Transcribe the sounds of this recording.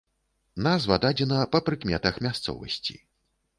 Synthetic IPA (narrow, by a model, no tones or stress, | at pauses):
nazvɐd̪ad͡zʲɛnɐpɐpɾɨkmʲɛt̪ɐxmʲast̪sɔ̰vɐ̰sʲt͡sʲḭ